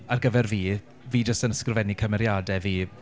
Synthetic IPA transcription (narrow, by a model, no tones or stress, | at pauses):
arɡəvɛrviː | viːd͡ʒəstənəskrvɛnikʰəmɛɾjadɛviː